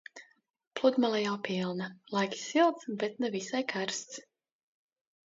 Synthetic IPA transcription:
plˠud̪malˠajawpʲilˠnalˠajkʲi̥silˠt̪sbɛt̪nɛvisajkʰaɾst̪s

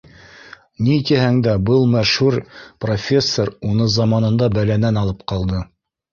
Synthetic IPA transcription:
nit̪ihæŋd̪æbɤlˠmæʃhuɾprofʲe̞sːoɾunɤzɑmɑnɤ̆nd̪ɑbælænænɑlˠɤp̚qɑlˠd̪ɤ

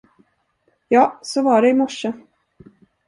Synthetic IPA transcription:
jɑːsɔvɑɖɛɪmɔʂə

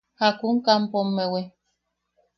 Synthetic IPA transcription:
hakuŋkampomːewe

